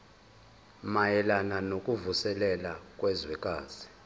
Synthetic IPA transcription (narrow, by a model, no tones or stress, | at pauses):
majɛlananokʼuvusɛlɛlakʼwɛzwɛkʼaːz̥i